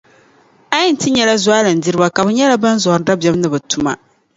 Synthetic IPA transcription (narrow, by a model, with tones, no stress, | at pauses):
a˦ji˦n̩˨tɨ˦ɲɛ˦la˦zwa˦lɨ˨n̩˨di˦ɾɨ˦ba˦ka˨bɨ˨ɲɛ˦la˦ba˦nzɔ˨ɾda˦bɛ˦bnɨ˦bɨ˨tu˦ma̰˦